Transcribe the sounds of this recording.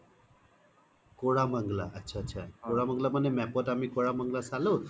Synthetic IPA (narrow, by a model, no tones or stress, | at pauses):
koɽaməŋɡlaətːɕʰaətːɕʰakoɽaməŋɡlamənemɛpotamikoɽaməŋɡlasalo